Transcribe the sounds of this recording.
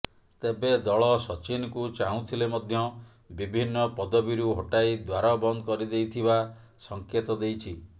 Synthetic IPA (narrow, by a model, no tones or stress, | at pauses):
t̪ebed̪ɔɭɔsɔt͡ʃinɔkut͡ʃaũt̪ʰilemɔd̪ʱjɔ | bibʱinːɔpɔd̪ɔbiɾuɦoʈajd̪waɾɔbɔnd̪ɔkɔɾid̪ejt̪ʰiba | sɔŋket̪ɔd̪ejt͡ʃʰi